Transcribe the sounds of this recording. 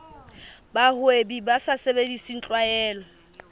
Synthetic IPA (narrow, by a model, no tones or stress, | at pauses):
bahʊebibasasebedisin̩t͡ɬʼwaɛːlɔ